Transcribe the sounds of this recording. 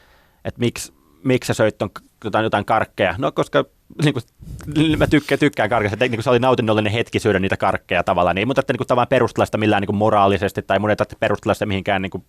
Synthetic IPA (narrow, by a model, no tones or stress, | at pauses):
et̪miks | mikssesøit̪ːoŋk | t̪ot̪ɑjot̪ɑiŋkɑrkːejɑnokoskɑ | niːku | mæt̪ykːæt̪ykːæːŋkɑrkɑset̪ːniːŋkuseolinɑut̪inːolːenihet̪kisyøɾøniːt̪ækɑrkːejɑt̪ɑʋɑlˑːɑːnieimuːt̪ɑet̪ːæniːkut̪ɑʋɑlɑmperust̪elɑst̪ɑmilːæːniŋkummorɑːlisest̪it̪ːɑimunet̪ɑt̪ːæ̥perust̪elɑst̪ɑmihiŋkæːniːŋku